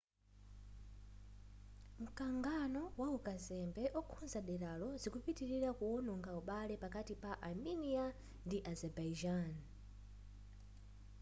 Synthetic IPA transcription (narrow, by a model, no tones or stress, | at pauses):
m̩kaŋɡanɔwaukazɛmbɛʔɔkʰunzaɗɛɾalɔzikupitiɾiɾakuɔnɔŋɡauɓalɛpakatipaʔalminia | ndiʔazɛbajd͡ʒan